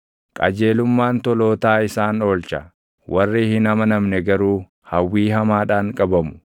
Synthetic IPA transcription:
kʼɐ̰d͡ʒe̞ːlʊmːaːnt̪ɔlo̞ːt̪aːɪsaːno̞ːlt͡ʃɐ | wʔɐrːɪhɪnɐmɐnɐmnɛɡɐɾuː | hɐwːiːɦɐmaːᶑaːŋkʼɐbɐmʊ̥

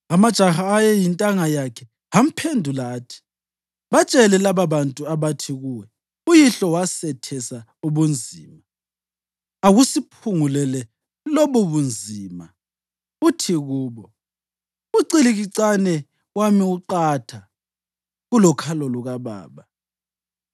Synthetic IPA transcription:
amad̥ʒ̥ʱaxaːjɛjintʼaŋajakʰɛ | ham̩pʰendʱulatʰi̥ | βat͡ʃʼɛlɛlaβaβantʼuaβatʰiɣuwɛ | ujiɬɔwasɛtʰɛsa | uβund͡zʱiːma | aɣusipʰuŋulɛlɛ | lɔβuβund͡zʱima̰ | utʰiɣuːβɔ | uǀiliɣiǀanɛ | wamiuǃatʰa | ɣulɔkʰalɔluɣaβa̰ːβa

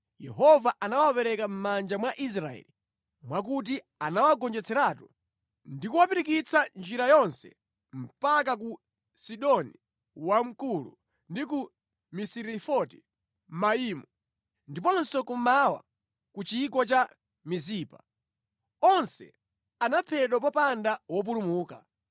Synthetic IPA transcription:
jɛɦɔvaʔanawapɛɾɛkam̩mand͡ʒamwaʔis̬ɾaɛ̰li | mwak̬ut̬i | anawaɡɔnd͡ʒɛt͡sʰɛɾaːtu | ndikuwapiɾik̬it͡sʰand͡ʒiɾajɔnsɛ̰ | m̩pak̬ak̬u | siɗɔni | wam̩kulṵ | ndik̬u | misiɾifɔti | maiːmu | ndipɔnsɔkumawa̰ | kut͡ʃiːk̬ɔt͡ʃa | miziːpa̰ | ɔnsɛ̰ | anapʰɛɗwap̬ɔpandawɔp̬ulumuːka

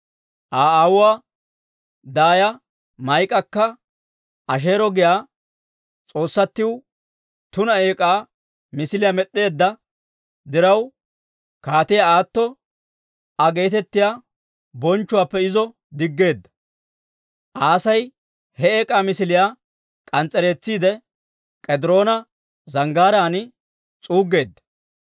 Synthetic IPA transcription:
ʔaːaːwʊwaː | d̪aːjɐ | mɐjkʼːɐkːɐ | ʔɐʃ̬e̞ːɾɔɡɪjaː | t͡sʼo̞ːsːɐt̪ːɪw | t̪ʊnɐe̞ːkʼaː | mɪsɪlɪjamɛɗːe̞ːd̪ːɐ | d̪ɪɾɐw | kaːt̪ɪjɐaːt̪ːɔ | ɐɡe̞ːt̪ɛt̪ːɪjaː | bɔnt͡ʃːʊwaːpːɛɪzɔ | d̪ɪɡːe̞ːd̪ːɐ̥ | ʔaːsɐj | hɛeːkʼaːmɪsɪlɪjaː | kʼɐnt͡sʼːɛɾe̞ːt͡sːiːd̪ɛ | kʼɛd̪ɪɾo̞ːnɐ | zɐŋɡaːɾaːnɪ | t͡sʼuːɡːe̞ːd̪ːɐ̥

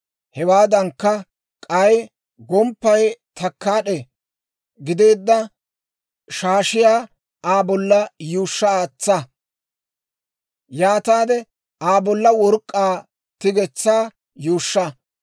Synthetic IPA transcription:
hɛwaːd̪ɐŋkːɐ | kʼɐj | ɡɔmpːɐjt̪ʰɐkːaːɗɛ | ɡɪd̪e̞ːd̪ːɐ | ʃaːʃɪjaː | aːbɔlːɐjuːʃːɐaːt͡sːɐ | jaːt̪aːd̪ɛ | aːbɔlːɐwɔɾkʼːaː | t̪ɪɡɛt͡sːaː | juːʃːɐ

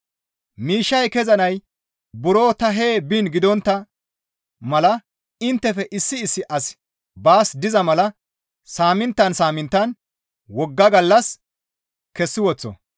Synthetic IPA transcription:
miːʃːɐjkɛzɐnɐj | bʊɾo̞ːt̪ɐɦeːbiɪnɡɪd̪ɔnt̪ːɐ | mɐlɐ | ɪnt̪ːɛfɛʔɪsːɪːsːɪʔɐs | baːsd̪ɪzɐmɐlɐ | saːmɪnt̪ːɐnsaːmɪnt̪ːɐn | wɔɡːɐɡɐlːɐs | kɛsːɪwɔt͡sːɔ̰

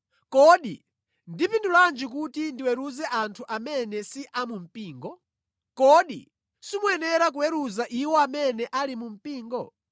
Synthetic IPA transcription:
kɔɗi | ndipinduland͡ʒik̬utindiwɛɾuzɛʔantʰuʔamɛnɛsiʔamum̩piːŋɡɔ | kɔɗi | simuɛnɛɾak̬uwɛɾuzaʔiwɔamɛnɛʔalimum̩piːŋɡɔ

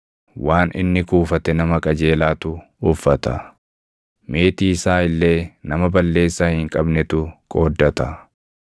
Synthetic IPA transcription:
waːnʔɪ̰nːɪkuːfɐt̪ɛnɐmɐkʼɐd͡ʒe̞ːlaːt̪ʊː | fːɐt̪ɐ | me̞ːt̪iːsaːɪlːe̞ːnɐmɐbɐlːe̞ːsːaːhɪŋkʼɐbnɛt̪ʊkʼo̞ːd̪ːɐt̪ɐ

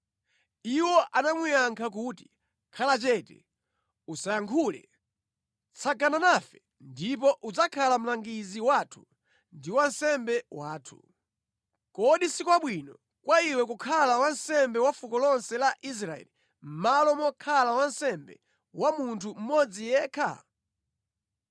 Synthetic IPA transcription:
iwɔʔanamwijaŋkʰak̬uːti̥ | kʰalat͡ʃɛtɛ̰ | usajaŋkʰulɛ̰ | t͡sʰaɡananafɛ | ndip̬ɔʔud͡zakʰalam̩laŋɡiziwaːtʰu̥ | ndiwansɛmbɛwaːtʰu̥̰ | kɔɗisikwaɓwinɔ | kwaiwɛkukʰalawansɛmbɛwafukɔlɔnsɛlaʔis̬ɾaɛ̰li | m̩malɔmɔkʰalawansɛmbɛ̰ | wamuntʰum̩mɔd͡zijɛːkʰa̰

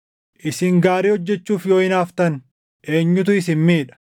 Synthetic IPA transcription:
ʔɪsɪŋɡaːɾiːhɔd͡ʒːɛt͡ʃːuːfjo̞ːɪnaːft̪ɐn | ʔe̞ːɲːʊt̪ʊɪsɪnmiːᶑɐ̥

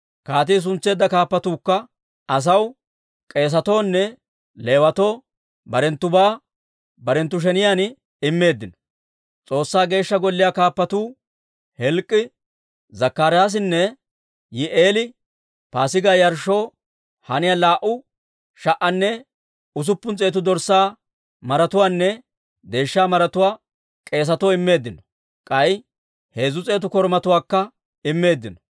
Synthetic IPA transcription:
kaːt̪̬iːs̬ʊnt͡sːe̞ːd̪ːɐkaːpːɐt̪uːkːɐ | ɐs̬ɐw | kʼe̞ːs̬ɐt̪o̞ːnːɛ | le̞ːwɐt̪o̞ː | bɐɾɛnt̪ːʊbaː | bɐɾɛnt̪ːʊʃ̬ɛnɪjaːn | ɪmːe̞ːd̪ːɪnɔ̥ | t͡sʼo̞ːsːaːɡe̞ːʃːɐɡɔlːɪjakaːpːɐt̪uː | hɛlkʼːɪ | zɐkːaːɾɪjaːs̬ɪnːɛ | jɪʔeːlɪ | paːsɪɡaːjɐɾʃo̞ː | hɐnɪjalaːʔʊ | ʃɐʔɐnːɛ | ʊs̬ʊpːʊnt͡sʼeːt̪ʊd̪ɔɾsːaː | mɐɾɐt̪ʊwaːnːɛ | d̪e̞ːʃːaːmɐɾɐt̪ʊwaː | kʼe̞ːs̬ɐt̪oɪmːe̞ːd̪ːɪnɔ̥ | kʼɐj | he̞ːzʊt͡sʼe̞ːt̪ʊkɔɾmɐt̪ʊwaːkːɐ | ɪmːe̞ːd̪ːɪnɔ̥

